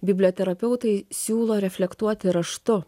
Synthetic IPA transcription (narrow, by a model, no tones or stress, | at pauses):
bʲɪbʲlʲoːt̪ʲɛɾɐpʲɛʊt̪ɐɪsʲuːlˠoːɾʲɛfʲlʲɛkt̪uɔt̪ʲɪɾɐʃt̪ʊ